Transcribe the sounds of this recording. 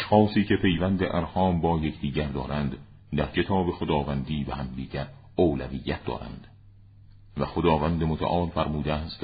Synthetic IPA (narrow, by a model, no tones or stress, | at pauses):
æʃxɒːsiːcʰe̞pʰe̞jvænd̪eʔæɾhɒːmbɒːje̞cʰd̪̥iːɟæɾd̪ɒ̰ːɾænd̪ | d̪æɾcʰe̞t̪ʰɒːbe̞xod̪ɒːvænd̪iːbehæmd̪iːɟæɾ | oːlæviːjːæt̪̚ʰd̪ɒ̰ːɾæ̰nd̪̥ | væxod̪ɒːvænd̪emot̪ʰæ̰ʔɒːlfæɾmuːd̪eæːst̪